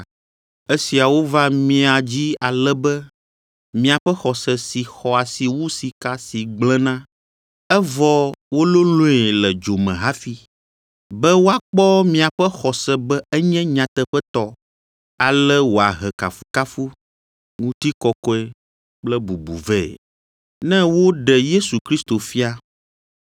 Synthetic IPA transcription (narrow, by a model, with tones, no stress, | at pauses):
e˦si˨a˨wo˦va˦mĩ˦a˨d͡ʑi˦a˨lɛ˦bɛ˦ | mĩ˨a˨ɸɛ˦xɔ˨sɛ˨si˨xɔ˨a˨si˨wu˦si˨ka˦si˨ɡ͡blɛ̃˦nã˦ | ɛ˦vɔ˦wo˦lo˦lõ˦ɛ˨lɛ˨d͡ʒo˨mɛ̃˨ɦa˦fi˦ | bɛ˦wo˦a˦k͡pɔ˦mĩ˨a˨ɸɛ˦xɔ˨sɛ˨bɛ˦ɛ˦ɲɛ̃˦ɲã˨t̪ɛ˦ɸɛ˦t̪ɔ˦ | a˨lɛ˦wo˨a˨ɦɛ˨ka̰˨fu˦ka˦fu˦ | ŋũ˦t̪i˦kɔ˨kɔ˦ɛ˦ | k͡plɛ˦bu˨bṵ˨vɛ̰˦˨ | nɛ̃˦wo˦ɖɛ˨je˦su˨kɾi˦st̪o˨fi˦a˦